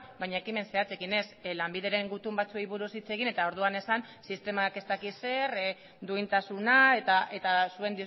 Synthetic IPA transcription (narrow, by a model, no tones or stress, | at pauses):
bajɲaekime̞nse̞at͡se̞kine̞slambiðe̞ɾe̞ŋɡut̪umbat͡suejβuɾusit͡se̞ɣ̞ine̞t̪ao̞ɾð̞uane̞san | sist̪e̞make̞st̪akise̞ɾ | d̪uint̪asunae̞t̪ae̞t̪asue̞nd̪i